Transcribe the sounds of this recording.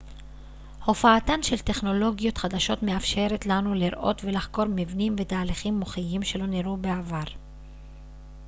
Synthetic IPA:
ho̞faːt̪anʃe̞lt̪e̞χno̞lo̞ɡijo̞t̪χad̪aʃo̞t̪me̞afʃe̞ɾe̞tlanuliɾʔo̞̰t̪ve̞laχko̞ɾmivnimve̞t̪aːliχimːoχijimʃe̞lo̞niɾube̞avaʁ

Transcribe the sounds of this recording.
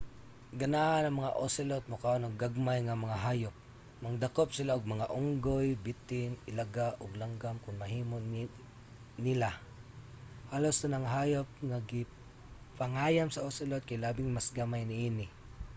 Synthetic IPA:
ɡɐnaʔanɐŋmɐŋaʔosɪlot̪̚mʊkaʔonoɡɡaɡ̚majŋamɐŋaɦaːjʊp̚ | mɐŋd̪akop̚sɪlaʊɡ̚mɐŋaʔʊŋɡojbɪt̪ɪnɪlaɡaʔʊɡlaŋɡamkʊŋmɐɦiːmo | nɪla | halost̪anaŋaɦajop̚ŋaɡɪ | paŋaːjamsɐosɪlot̪̚kajlaːbɪŋmasɡamajnɪʔiːnɪ

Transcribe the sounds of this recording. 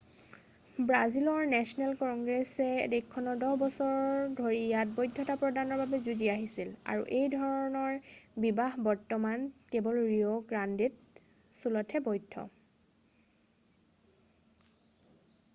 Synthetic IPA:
bɹazilɔɹnɛsɔnɛlkɔŋɡɹɛsɛ̰dikʰːɔnɔdɔɦbɔsɔɹdʱoɹijat̚bɔjdʱːɔtapɹɔdanɔɹbabɛzuziaɦisila̰ɹṵʔejdʱɔɹɔnɔɹbibaɦbɔɹtɔmankɛbɔlɹiɔɡɹandit̚ | sulɔtʰɛbɔjdʱːɔ̰

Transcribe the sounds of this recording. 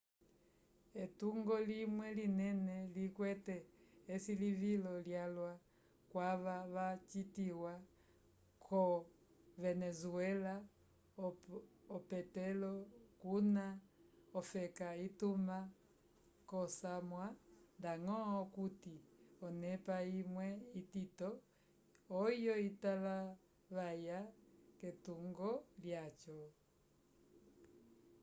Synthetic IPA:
ɛtuŋɡɔlimwɛlinɛnɛlikwɛtɛːsilivilɔljalwa | kwaβaβat͡ʃitiwa | kʰɔ | vɛnɛzuɛla | pɛtɛlɔkunaɔfɛkaituma | kɔsamwandaŋɔɔkutiɔnɛpaimwɛititɔː | jɔitala | βajakɛtuŋɡɔljat͡ʃɔ

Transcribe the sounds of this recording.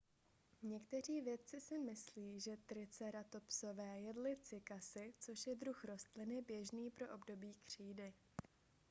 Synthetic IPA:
ɲɛkt̪ɛr̝iːvjɛt̪̚t͡sɪsɪmɪsliːʒɛt̪ɾɪt͡sɛɾat̪o̞pso̞vɛːjɛdlɪt͡sɪkasɪt͡so̞ʃjɛdɾuxɾo̞st̪lɪnɪbjɛʒniːpɾo̞ʔo̞bdo̞biːkr̝̥iːdɪ

